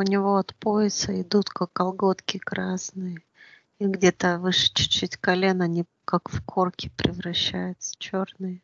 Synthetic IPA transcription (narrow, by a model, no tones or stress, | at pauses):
ʊnʲɪvo̞ɐt̪poɪsəɪd̪ut̪kakːɐlˠɡo̞t̪kʲɪkɾasnɨjə | iɡdʲe̞t̪əvɨʂɨ̥t͡ɕʊ̥t͡ɕːitʲkɐlʲe̞nɐnʲi | kakfkʰo̞rkʲɪ̥pɾʲɪvɾɐɕːæjʊt̪sə̥t͡ɕornɨjə